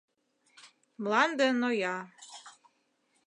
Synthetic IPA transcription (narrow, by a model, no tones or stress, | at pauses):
mlɑnd̪ənojɑ